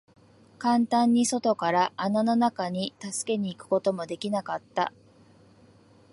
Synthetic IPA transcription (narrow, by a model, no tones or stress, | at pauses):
kãnt̪ãɲ̟ːiso̞t̪o̞kaɾaʔːnano̞nakaɲ̟it̪asɨ̥ke̞ɲ̟iːkɯ̟̥ko̞t̪o̞mo̞d̪e̞kʲinakat̪ːa̰